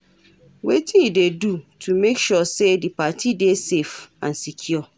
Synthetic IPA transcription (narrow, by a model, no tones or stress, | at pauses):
wetʰidedutʰumekʃɔsedipatʰidesefã̰nsikʰjɔ